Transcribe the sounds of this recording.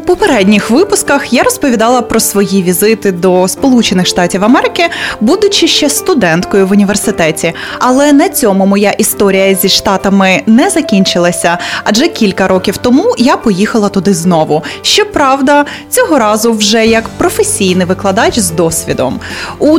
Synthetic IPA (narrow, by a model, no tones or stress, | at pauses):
pɔpeɾɛdʲnʲixʋɪpʊskɐxjaɾɔspɔʋʲid̪ɑlˠɐpɾɔsʋɔjiʋʲizɪt̪ɪd̪ɔspɔlˠut͡ʃenɪxʃt̪ɑtʲiwɐmɛɾɪkɪbud̪ʊt͡ʃɪʃt͡ʃɛst̪ʊd̪ɛnt̪kɔjʊʋʊnʲiʋersɪt̪ɛtʲi | ɐlˠɛnɐt͡sʲɔmʊmɔjaʔist̪ɔɾʲijɐzʲiʃt̪ɑt̪ɐmɪnɛzɐkʲinʲt͡ʃɪlˠɐsʲɐɐʒɛkʲilʲkɐɾɔkʲiwt̪ɔmujapɔjixɐlˠɐt̪ʊd̪ɪznɔʋʊʃt͡ʃɔpɾɑwd̪ɐ | t͡sʲɔɦɔɾɑzʊwʒɛjɐkpɾɔfesʲijnɪjʋɪklˠɐd̪ɑt͡ʃzd̪ɔsʲʋʲid̪ɔ̰mu